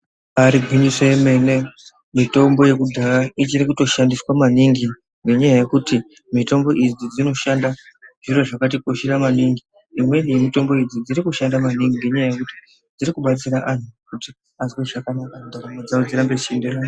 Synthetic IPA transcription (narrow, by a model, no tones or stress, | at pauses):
aɾiɡʱwiɲisweeme̞ne̞ | mito̞mbo̞je̞kudʱaɾait͡ʃiɾikuto̞ʃandiswamaniŋɡi | ŋɡe̞ɲajaje̞kuti | mito̞mbo̞ʔid͡zid͡zino̞ʃandaʐ̥iro̞ʐakat̬ikoʃeramaniŋɡi | imwenimito̞mbo̞id͡zid͡ziɾikuʃandamaniŋɡiŋɡe̞ɲajaje̞kuti̥ | d͡ziɾikuɓat͡siɾaʔan̤ukuti | azweʐakanakandaɾamed͡zaod͡ziɾambeʃenderajo